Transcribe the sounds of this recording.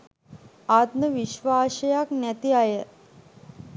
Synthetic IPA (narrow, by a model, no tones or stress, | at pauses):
at̪nəʋiʃʋaːʃəjaknæt̪iajə